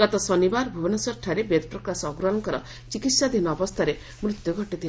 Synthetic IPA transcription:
ɡɔt̪ɔsɔnibaɾbʱubɔnɔsɔɾʈʰaɾebed̪ɔpɾɔkɾasɔːɡɾɔnɔŋkɔɾɔ̰ | t͡ʃikit̪sad̪ʱinɔːbɔst̪ʰaɾe | mɾut̪jɔɡʱɔʈit̪ʰil

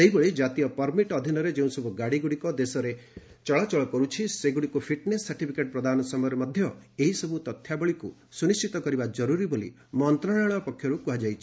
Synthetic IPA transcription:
seɦibɔɭid͡ʒat̪ijɔpɔɾmiʈɔd̪ʱinɔɾed͡ʒeũsɔbʱuɡaɽiɡuɽikɔd̪esɔɾe | t͡ʃɔɭat͡ʃɔɭɔkɔɾut͡ʃʰiseɡuɽikupʰiʈnesːaɾʈipʰikeʈ̚pɾɔd̪anɔsɔmɔjɔɾemɔd̪ʱjɔeɦisɔbut̪ɔt̪ʰjabɔɭiku | sunist͡ʃit̪ɔkɔɾibad͡ʒɔɾuɾibolḭ | mɔnt̪ɾaɽaɽ̃ɔpɔkʰjɔɾukuɦad͡ʒajt͡ʃʰi̥

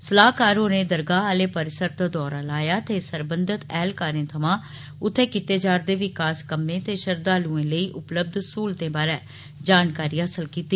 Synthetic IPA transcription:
səlaːɦkaːɾoːneːd̪əɾɡaːaːleːpəɾɪsəɾt̪d̪ɔːɾãːlaːjaːt̪eːsəɾbənd̪ət̪ɛːlkaːɾẽːt̪ʰəmãː | ʊt̪ʰːeːkit̪eːd͡ʒaːɾd̪eːʋɪkaːskəmːẽːt̪eːʃəɾd̪aːlũːẽːləiːʔʊpləb̚d̪suːlt̪ẽːbaːɾɛː | d͡ʒaːnkaːɾiːəsəlkiːt̪iː

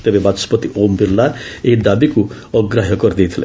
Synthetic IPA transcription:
t̪ebebat̪spʌt̪iʔombirlaeɦid̪abiku | ʌɡraɦʌkʌrd̪ijt̪ʰila̰

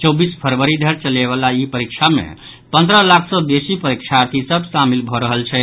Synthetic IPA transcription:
t͡ʃobispʰəɾʋəɾid̪ʱəɾt͡ʃəleβalaipəɾik̚t͡ʃʰamḛ | pə̃nd̪ɾəlakʰsɔd̪esipəɾikt͡ʃʰaɾt̪ʰisəbʱsamilbʱɔɾəɦəlt͡ʃʰɛ

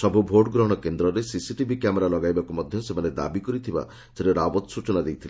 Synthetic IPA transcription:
sɔbʱubʱoɖɡɾɔɦɔɽ̃ɔkend̪ɾɔɾesisiʈibʱikameɾalɔɡajbakumɔd̪ʱjɔsemaned̪a̰bikɔɾit̪ʰiba̰ | d͡ʒeɾeɾabɔt̪sut͡ʃɔnad̪ejt̪ʰile

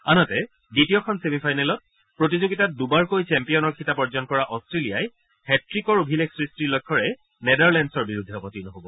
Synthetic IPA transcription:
anɔtɛ | ditijɔkʰɔnsemipʰajnɛlɔt̚ | pɹotizoɡitat̚dubaɹkojt͡ʃɛmpijɔnɔɹkʰitapɔɹd͡ʒɔnkɔɹaʔɔstɹelijaj | hɛtɹikɔɹobʱileksɹistilɔjkʰːɔɹɛ | nedaɹlɛndsɔɹbiɹudʱːɛɔpɔtinɔɦobɔ

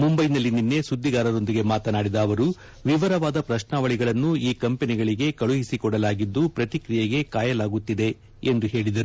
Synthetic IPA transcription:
mumbɐjnɐlːininːe̞sud̪ʱːiɡaːɾɐɾo̞nd̪iɡe̞maːt̪ɐnaːɽid̪aːʋɐɾu | ʋiʋɐɾɐʋaːd̪ɐpɾɐʃnaːʋɐɭiɡɐɭɐnːuiːkɐmpeniɡɐɭiɡe̞kɐɭuɦisikɔɽɐlaːɡid̪ːupɾɐt̪ikɾijɐɡe̞kaːjɐlaːɡut̪ːid̪e̞ | end̪uɦe̞ːɭid̪ɐɾu

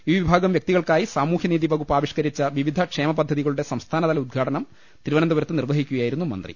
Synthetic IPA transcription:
iːʋibʱaːɡɐmʋjɐk̚t̪iɣɐɭkaːjisaːmuːhjɐniːðibʱɐɣupːaːʋiʂkɐɾit͡ɕːɐʋiʋid̪ʱɐkʂe̞ːmɐpɐd̪ʱːɐðiɣɐɭuɽe̞sɐmst̪ʰaːnɐðɐlɐud̪̚ɡʱaːʈɐnɐm | t̪iɾuʋɐnɐnd̪ɐʋɐɾɐt̪ːɨnirʋɐɦikʲːuɣɐjaːjiɾun̪ːumɐ̰nd̪rḭ

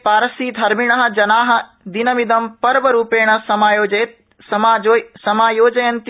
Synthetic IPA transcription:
paːɾɐsiːd̪ʱɐɾmiɽ̃ɐɦɐ̆d͡ʒɐnaːɦɐ̆ | d̪inɐmid̪ɐmpɐɾʋɐɾuːpeːɽ̃ɐsɐmaːjoːd͡ʒɐjt̪̚ | sɐmaːosɐmaːjoːd͡ʒɐjɐ̃nt̪

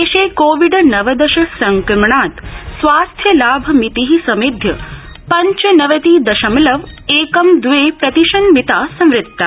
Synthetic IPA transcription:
eːʃeːkoːʋiɖnɐʋɐd̪ɐʃɐsɐŋkɾmɳaːt̪sʋaːst̪ʰjɐlaːbʱɐmit̪iɦisɐmed̪ʱjɐ̰ | pɐɲt͡ʃɐnɐʋɐt̪iːd̪ɐʃɐmlɐʋeːkɐmd̪ʋeːpɾɐt̪iʃɐnmit̪aːsɐ̃mɾɪt̪ːa̰

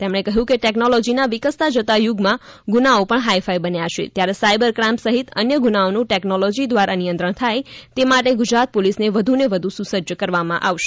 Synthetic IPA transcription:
t̪emɳ̃ekəɦjũkeʈɛknolɔd͡ʒinaʋikəst̪ad͡ʒət̪ajuɡmã | ɡunaopəɳɦaifaibənjaʃḛt̪jaɾesajbəɾkɾãmpsəɦit̪ə̰njəɡunaonũʈɛknolɔd͡ʒid̪ʋaɾanijənt̪ɾəɳ̃t̪ʰajt̪emaʈeɡud͡ʒɾat̪̚polisneʋəd̪ʱuneʋəd̪ʱũsusəd͡ʒəkəɾʋamã̰ʔaʋʃe

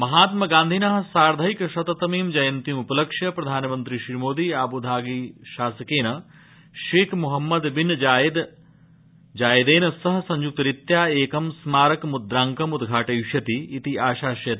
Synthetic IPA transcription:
mɐɦaːt̪̚mɐɡaːnd̪ʱinɐɦɐ̆saːɾd̪ʱɐikʃɐt̪ɐt̪ɐmiːmd͡ʒɐjɐnt̪imupɐlɐkʃjɐpɾɐd̪ʱaːnɐmɐnt̪ɾiʃɾimoːd̪iaːbud̪ʱaːɡiːʃaːsɐkeːnɐ | ʃeːkʰmuɦɐmːɐd̪binːɐd͡ʒaːjɐd̪ | d͡ʒaːjd̪eːnɐsɐɦɐ̆sɐɲd͡ʒuk̚t̪ɐɾit̪jaːeːkɐmsmaːɾɐkmud̪ɾaːŋkɐmud̪ɡʱaːʈɐjuʃjɐt̪iːt̪iaːʃaːʃjɐ

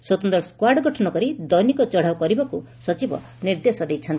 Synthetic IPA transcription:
swot̪ɔnd̪ɾɔskwaɖɡɔʈʰɔnɔkɔɾid̪ɔjnikɔt͡ʃɔɽ̤awkɔɾibɔku | sɔt͡ʃibɔ̰ | niɾd̪esɔd̪ejt͡ʃʰɔnt̪i̥

